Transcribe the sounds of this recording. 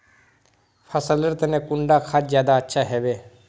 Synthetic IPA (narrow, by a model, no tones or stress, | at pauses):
pʰəsələɾt̪ənẽkʊ̃ɳɖakʰat͡ʃzjaːd̪aətːʃʰaɦɛːʋeː